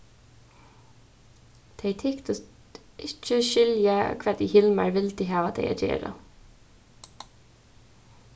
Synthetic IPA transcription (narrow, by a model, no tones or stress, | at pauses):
t̪ʰɛjt̪ʰɪkt̪ʊst̪ | ʔɪt͡ʃːəʃɪljakʰʋɛːd̪ihɪlma̰ɹʋɪlt̪ɪɦaːʋat̪ʰɛ̰ɪja̰d͡ʒḛːɾa̰